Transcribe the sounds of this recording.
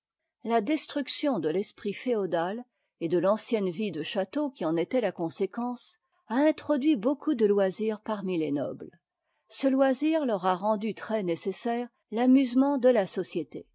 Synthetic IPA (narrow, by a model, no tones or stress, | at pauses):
lad̪ɛst̪χyksjɔ̃d̪əlɛspχifeɔd̪al | ed̪əlɑ̃sjɛnvid̪əʃat̪okʲiɑ̃net̪ɛlakɔ̃sekɑ̃s | aɛ̃t̪χɔd̪ɥibokʰud̪əlwaziːʁpaʁmilenɔ̰bl | səlwaziʁlœʁaʁɑ̃d̪yt̪χɛnesesɛːʁ | lamyzmɑ̃d̪əlasɔsjet̪ḛ